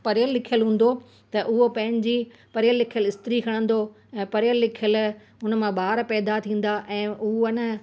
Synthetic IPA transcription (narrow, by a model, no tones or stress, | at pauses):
pɐɾjəlːɪkʰijəlɦũːn̆d̪o | t̪ɐʔʊɦopɐ̃ɦɪ̃ɲ̆d͡ʑiː | pɐɾɪjəlːɪkʰjəlɪst̪ɾikʰɐɽ̃ə̃n̆d̪o | ɛ̃ːpɐɾjəlːɪkʰjəl | ʊnmãɓaːɾpɛːd̪at̪ʰĩːn̆d̪aʔɛ̃ːʔʊɦənə